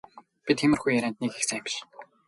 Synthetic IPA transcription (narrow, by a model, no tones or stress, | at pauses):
pit̪xemɘ̆rxujːæɾʲæːnt̪nikxe̥xsam̆t͡ɕ